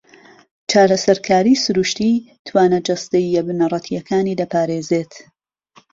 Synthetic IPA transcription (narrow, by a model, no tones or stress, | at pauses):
t͡ʃʰaːɾɐsɐɾkʰaːɾiːsɨɾuʃt̪iː | t̪ʰwaːnɐd͡ʒɐst̪ɐjːɛbɨnɐrˤɐt̪ʰijɐkʰaːniːd̪ɐpʰaːɾeːzeːt̪